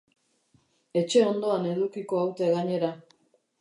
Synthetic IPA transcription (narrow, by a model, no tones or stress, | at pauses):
e̞t͡ʃe̞o̞nd̪o̞ane̞ðukiko̞awt̪e̞ɣaɲe̞ɾa